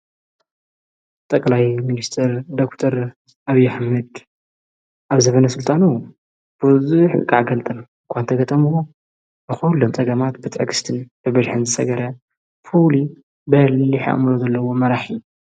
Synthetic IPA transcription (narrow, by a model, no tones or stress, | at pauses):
t̪ʼɐkʼlajminist̪ʰɐɾd̪okt̪ʰoɾ | ʔaβijːaħmɐd̪ | ʔaβzɐβɐnɐsɨlt̪ʼanu | b̥ɨzuħkʼaʕɡɐlt̪ʼɐmɨŋkʷʰant̪ʰɐɡɐt̪ʼɐmuwo | bɨxulːomt͡sʼɐɡɐmat̪bɨt̪ʼʕkʰɨ̥st̪ʰɨnbɨbɐlħɨnzɨsɐ̰ɡɐɾɐ | fuli | bɐlːiħʔɐ̰mlozɐlːɐwo̞mɐɾaħiu